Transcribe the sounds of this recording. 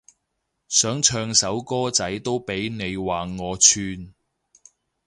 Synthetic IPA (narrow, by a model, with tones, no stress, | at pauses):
sœː˨˥ŋt͡ʃʰœː˧ŋsɐ˨˥wkɔː˥t͡sɐ˨˥jt̪o˥wpe˨˥jne˨˧jwaː˨ŋɔː˨˧t͡ʃʰyː˧n